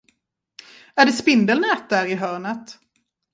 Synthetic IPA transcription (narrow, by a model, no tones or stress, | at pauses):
æɖɛspɪnd̪əlnɛːt̪̚d̪æːɾɪɦœːɳət̪